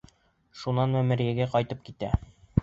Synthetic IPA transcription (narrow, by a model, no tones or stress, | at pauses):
ʃunɑnmæmɘ̆ɾjæɡæqɒjt̪ɤp̚kit̪æ